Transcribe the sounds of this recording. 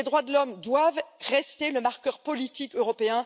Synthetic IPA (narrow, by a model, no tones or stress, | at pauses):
ed̪ʁwad̪əlɔmd̪wavʁɛst̪eləmaʁkʲœʁpɔlit̪ikøʁɔpeɛ̃